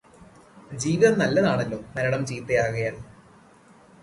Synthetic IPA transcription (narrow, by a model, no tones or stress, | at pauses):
d͡ʑiːʋiðɐnɐlːɐðaːɳelːo̞ːmɐɾɐɽɐmd͡ʑiːt̪ːɐjaːɣɐjaːl